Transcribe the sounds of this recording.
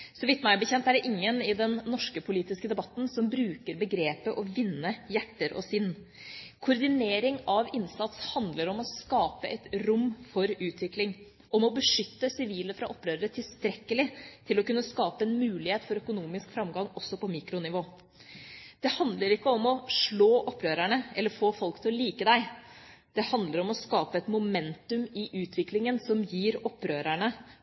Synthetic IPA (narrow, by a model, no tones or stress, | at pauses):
sɔmʋɪt̪ːmæɪbəçɛnt̪æɖɛʔɪŋːənɪd̪ɛnːɔʂkəpʰʊliːt̪ɪskəd̪ɛbɑt̪ːn̩sɔmbɾʉːkəɾbəɡɾeːpəʔɔʋɪnːəjæʈːəɾʔɔ̰sɪnː | kʰʊɾd̪ɪneːɾɪŋɑʋɪnsɑt̪shɑnd̪ləɾɔmɔskɑːpəʔɛt̪ɾʊmːfɔɾʉːt̪ʋɪklɪŋ | ʔɔmɔbəʂʏt̪ːəsɪʋiːləfɾɑʔɔpːɾøːɾəɾət̪ʰɪlst̪ɾɛkːəlɪt̪ʰɪlɔkʉnːəskɑːpəɛnmʉːlɪheːt̪fɔɾœkʊnuːmɪskfɾɑmɡɑŋɔsːɔpɔmiːkɾʊnɪʋoː | d̪̥ɛhɑnd̪ləɾɪkːəɔmɔʂɭoːʔɔpːɾøːɾæɳəɛlːəɾfoːfɔlkt̪ʰɪlɔliːkəd̪æɪ | d̪̥ɛhɑnd̪ləɾɔmɔskɑːpəɛt̪mʊmɛnt̪ʉmɪʔʉːt̪ʰʋɪklɪŋənsɔmjiːɾɔpːɾøːɾæɳə